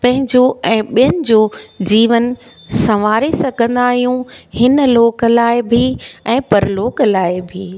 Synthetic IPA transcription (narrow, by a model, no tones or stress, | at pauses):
pɐ̃ɦɪ̃ɲd͡ʑoɛ̃ːɓijənɪ̆d͡ʑoːd͡ʑiːʋən̆ | sɐʋaːɾesɐɡʱə̃nd̪aːɦijũhɪnəloːkə̆laːɪbʱɪɛ̃ːpɐɾloːklaːɪbʱiː